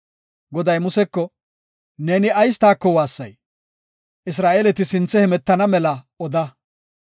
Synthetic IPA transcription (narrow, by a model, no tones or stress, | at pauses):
ɡɔd̪ɐjmʊsɛkːɔ | ne̞ːnɪɐjs̬t̪aːkːɔwaːsːɐj | ʔɪs̬ɾaːʔeːlɛt̪ɪsɪnt͡sːɛhɛmɛt̪ːɐnɐmɛlɐ | ɔd̪ɐ